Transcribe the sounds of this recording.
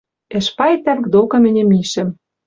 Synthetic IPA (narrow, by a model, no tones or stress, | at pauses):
ɘ̆ʃpɑjet̪ːæɾkd̪okɤ̆mɘ̆nʲĕmiʃɘ̆m